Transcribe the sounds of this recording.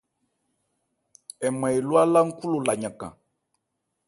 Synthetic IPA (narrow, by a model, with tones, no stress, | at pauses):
ɛ˨mɛ˨e˨lu˦a˦la˦ŋ̩˦ku˦lo˨la˨ɲã˨kã̰˨